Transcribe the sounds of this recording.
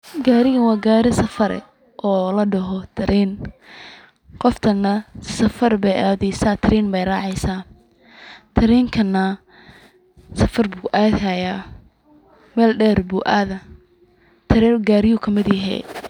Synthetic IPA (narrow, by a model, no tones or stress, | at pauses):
ɡaːɾɪɣɐnwɑːɡaːɾɪsɐfɐɾɛ̰ | ʔɔːlɐɖɐɦɔt̪ʰɐɾiːn | qɔft̪ʰɐnːɐsɐfɐrbɛjʔaːðɛjsaːt̪ʰɐɾiːnbɛjrɑːʕɑjsaː | t̪ʰɐɾiːŋkʰɐnːɐ | sɐfɐrbuːʔaːðɦajaː | mɛːlɖɛːrbuːʔaːðɐ | t̪ʰɐɾiɡaːɾɪjʊkʰɐmɪðiːɦɛ̰ː